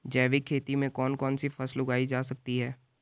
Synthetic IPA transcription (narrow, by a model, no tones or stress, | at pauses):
d͡ʒɛːʋikʰːeːt̪imẽkɔːnkɔːnsifɐslʊɡaːid͡ʒaːsɐk̚t̪iɦɛː